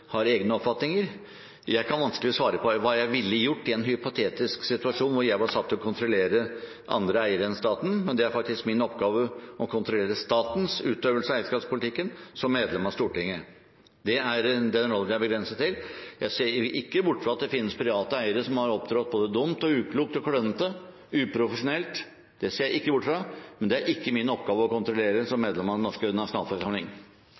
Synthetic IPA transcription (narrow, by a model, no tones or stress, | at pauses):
hɑɾeːɡnəɔpfɑt̪nɪŋəɾ | jæɪkʰɑnʋɑnskəlɪɔsʋɑːɾəpʰɔʋɑːjæɪʋɪlːəjʊʈːɪɛnɦʏpʊt̪ʰeːt̪ɪsksɪt̪ʉɑʂuːnʋʊɾjæɪʋɑʂɑt̪ʰːɔkʰʊnt̪ɾʊleːɾə | ʔɑ̰nd̪ɾəæɪəɾɛnst̪ɑːt̪n̩mɛnd̪ɛæɾfɑkt̪ɪskmɪnɔpɡɑːʋəɔkʰʊnt̪ɾʊleːɾəst̪ɑːt̪n̩sʉːt̪øːʋəlsəæɪskɑːpspʰʊlɪt̪ʰɪkːənsɔmːeːd̪lɛmɑst̪uːʈɪŋːə | d̪ɛæɾd̪ɛnɾɔld̪æɪbəɡɾɛnsət̪ʰːɪljʔæɪseːɾɪkːəbʊʈːfɾɑɑt̪d̪ɛfɪnːəspʰɾɪʋɑːt̪əæɪəɾəʂɔmhɑɾɔpd̪ɾɑt̪̚boːd̪əd̪ʊmt̪ɔʉːkʰluːk̚t̪ɔkʰɽœnət̪ə | ʉːpʰɾʊfəʂʊnɛlt̪ | d̪̥ɛseːɾjæɪkːəbʊʈːfɾɑmɛnd̪ɛæɾʔɪkːəmɪnəɔpɡɑːʋəɔkʊnt̪ɾʊleːɾəsɔmːeːd̪lɛmɑd̪nɔʂkənɑʂʊnɑːlfɔsɑmlɪŋ